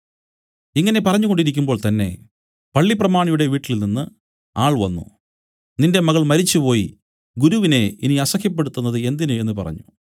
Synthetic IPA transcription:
iŋːɐne̞pɐrɐɲːuɣoɳɖiɾik̬ʲːumbo̞ːɭt̪ɐnːe̞̰ | pɐɭːiprɐmaːɳijuɽe̞ʋiːʈːillninːɨ | aːɭʋɐnːṵ | ninde̞mɐɣɐɭmɐɾit͡ɕːɨpo̞ːji | ɡuɾuʋine̞iniɐsɐkʰjɐp̬ːeɽut̪ːunːɐðɨe̞nd̪inue̞nːɨpɐ̰rɐ̰ɲːu

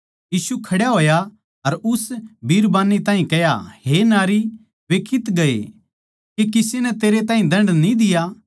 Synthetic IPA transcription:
jiːsukʰɐɽjaɦoːja | ɐɾʊsbʱiːɾbaːnːit̪ãːɦĩkɛja̰ɦenaːɾi | ʋeːkʰɪt̪ɡɐḛ | kekɪsenɛt̪eːɾet̪ãːɦĩd̪ɐ̃ɳɖnĩd̪ɪja

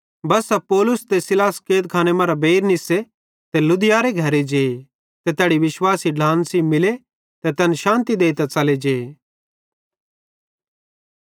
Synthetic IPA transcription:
bɐsɛpɔːlʊst̪esɪlaːskeːd̪̚kʰaːnemãːɾabeːɾnɪse | t̪elʊd̪ɪjaɾeɡʱɐɾed͡ʒeːe | t̪et̪ɛːɽiʋɪʃwaːsiɖʱãːnsimɪle | t̪et̪ɛːnʃãːnt̪id̪eːit̪ɛt͡sɐled͡ʒeː

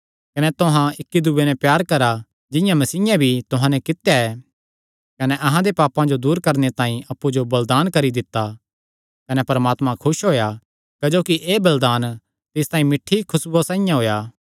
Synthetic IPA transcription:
kɐnɛt̪ʊɦãɪkːid̪uːenɛ̃pjaːɾkɐɾa | d͡ʒɪ̃jãmɐsiːjãbʱit̪ʊɦãnɛkɪt̪jaɛː | kɐnɛʔɐɦãd̪epaːpãd͡ʒod̪uːɾkɐɾnet̪ãːĩʔɐpːud͡ʒobɐld̪aːnkɐɾid̪ɪt̪ːa | kɐnɛpɐɾmaːt̪mãkʰʊʃɦoːja | kɐd͡ʒoːkiʔeːbɐld̪aːn | t̪ɪst̪aːĩmɪʈʰːikʰʊsbosãːĩjãɦoːjaː

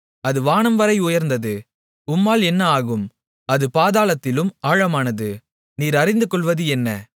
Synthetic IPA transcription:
ɐðɯʋaːnɐmʋɐɾɐɪʊjɐɾnd̪ɐðɯ | ʊmːaːlɛnːɐaːɣɯm | ɐðɯpaːðaːlɐt̪ːɪlɯmaːɻɐmaːnɐðɯ | niːɾɐɾɪnd̪ɯkːɔɭʋɐðɯɛnːɐ̰

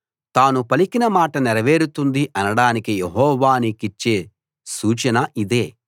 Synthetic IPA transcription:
t̪aːnupɐlikinɐmaːʈɐnɛɾɐʋe̞ːɾut̪und̪iʔɐnɐɽaːnikijeɦɔːʋaːnikit͡ʃːe̞ː | suːt͡ʃɐnɐʔid̪e̞ː

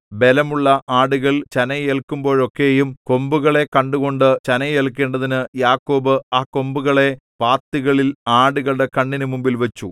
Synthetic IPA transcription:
be̞lɐmuɭːɐʔaːɽuɣɐɭt͡ɕɐnɐelkːumbo̞ːɻo̞kːe̞ːjumko̞mbuɣɐɭe̞kɐɳɖuɣo̞ɳɖɨt͡ɕɐnɐelkːe̞ːɳɖɐðinɨjaːkːo̞ːbɨaːkːo̞mbuɣɐɭe̞paːt̪ːiɣɐɭilaːɽuɣɐɭɽe̞kɐɳːinumumbilʋɐt͡ɕːu

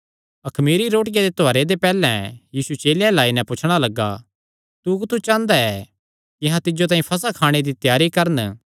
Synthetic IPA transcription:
ɐkʰmiːɾiɾoːʈɪjad̪et̪oaːɾed̪epɛːlɛ̃jiːsut͡ʃeːlɪjãlaːinɛ̃pʊt͡ʃʰɽ̃alɐɡːa̰ | t̪ukt̪ut͡ʃãːnd̪aɛ | kɪɦãt̪ɪd͡ʒot̪̬aːĩpʰɐs̬akʰaːɽ̃ed̪it̪jaːɾikɐɾən

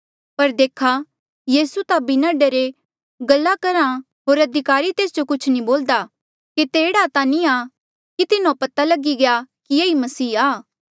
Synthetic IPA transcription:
pɐɾd̪eːkʰa | jiːsut̪abɪnãːɖeɾe | ɡɐlːakɐɾã | ɦoːɾɐd̪ʱɪkaːɾit̪eːsd͡ʒokʊt͡ʃʰnĩboːld̪a | kit̪eːɽat̪anĩa | kit̪ɪnõpɐt̪alɐɡiɡejakijeːimɐsiːaː

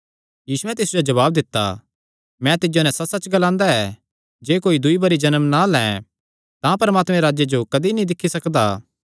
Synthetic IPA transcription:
jiːsuɛ̃t̪̬ɪsud͡ʒod͡ʒɐβaːbd̪ɪt̪ːa̰ | mɛ̃t̪ɪd͡ʒonɛ̃sɐtsɐt͡ʃɡɐlãːnd̪aɛː | d͡ʒeːkoːid̪ʊibɐɾid͡ʒɐnəmnalɛ̃ː | t̪ãpɐɾmaːt̪mɛ̃ɾaːd͡ʒjed͡ʒokɐd̪inĩd̪ɪkʰːisɐkd̪aː

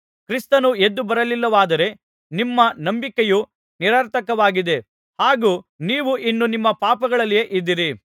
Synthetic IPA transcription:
kɾist̪ɐnue̞d̪ːubɐɾɐlilːɐʋaːd̪ɐɾe̞ | nimːɐnɐmbikeju | niɾaːɾt̪ʰɐkɐʋaːɡid̪e̞ | haːɡuːniːʋuʔinːunimːɐpaːpɐɡɐɭɐlːije̞ʔid̪ːiɾi

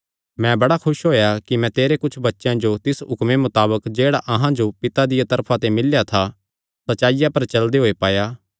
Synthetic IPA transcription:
mɛ̃bɐɽakʰʊʃɦoːjakimɛ̃t̪eːɾekʊt͡ʃʰbɐtːʃjãd͡ʒot̪ɪsɦʊkmemʊt̪aːbəkd͡ʒeːɽaʔɐɦãd͡ʒopɪt̪ad̪ɪjat̪ɐɾpʰãt̪emɪljat̪ʰa | sɐtːt͡ʃaːɪjapɐɾt͡ʃɐld̪eɦoːepaːjaː

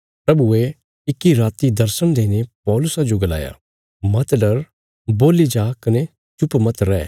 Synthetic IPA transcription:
pɾɐbue | ɪkːiɾaːt̪id̪ɐɾsəɽ̃d̪eːnepɔːlʊsad͡ʒoɡɐla̰ːja̰ | mɐt̪ɖɐɾ | boːlid͡ʒaːkɐne | t͡ʃʊpmɐt̪ɾɛː

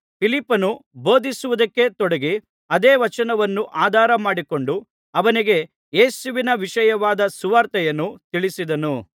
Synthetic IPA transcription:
pʰilipːɐnubo̞ːd̪isuʋud̪ɐkːe̞t̪ɔɽeɡi | ɐd̪eːʋɐt͡ʃɐnɐʋɐnːuʔaːd̪ʱaːɾɐmaːɽiko̞ɳɖu | ɐʋɐniɡe̞ | jeːsuʋinɐʋiʃɐjɐʋaːd̪ɐsuʋaːɾt̪ɐjɐnːut̪iɭisid̪ɐnu

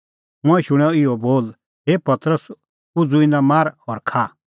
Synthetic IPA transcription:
mʊ̃ɛ̃ʃʊɽ̃ɔɪoboːl | ɦeːpɐt̪ɾəs | ʊd͡zʊɪnamaːɾhɔɾkʰaː

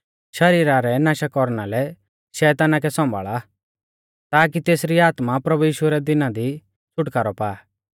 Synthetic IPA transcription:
ʃɐɾiːɾaɾɛnaːʃakɔɾnalɛ | ʃɛːt̪aːnak̬ɛsɔ̃mbʱa̰ːɭa | t̪aːk̬it̪eːsɾiaːt̪mapɾɐbujiːʃʊɾɛd̪ɪnad̪i | t͡ʃʊʈkaːɾɔpaː

